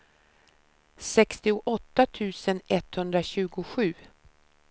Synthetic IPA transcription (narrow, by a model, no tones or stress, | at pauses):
sɛkst̪ɪʊʔɔt̪ːat̪ʰʉ̟ːsənɛt̪hɵnd̪ɾaɕʉ̟ːɡʊɧʉ̟ː